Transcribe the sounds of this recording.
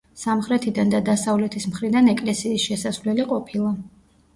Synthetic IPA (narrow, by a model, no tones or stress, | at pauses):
samχɾɛt̪ʰid̪and̪ad̪asavlɛt̪ʰismχɾid̪anɛkʼlɛsiːsʃɛsasvlɛliqʼɔpʰilˠa